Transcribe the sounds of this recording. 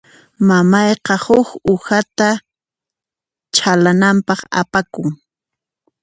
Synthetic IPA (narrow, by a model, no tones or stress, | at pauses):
mamɑjqɑhʊkʊhat̪a | t͡ʃʰalanampɑχa̰pakʊŋ